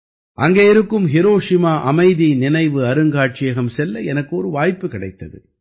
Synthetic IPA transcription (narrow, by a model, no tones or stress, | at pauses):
ʔɐŋɡeːɪɾɯkːɯmɦɪɾoːʂɪmaːʔɐmɐɪðinɪnɐɪʋɯɐɾɯŋɡaːʈ̚t͡ʃɪjɐɣɐmsɛlːɐɛnɐkːɯɔɾɯʋaːjpːɯkɪɽɐɪt̪ːɐðɯ̰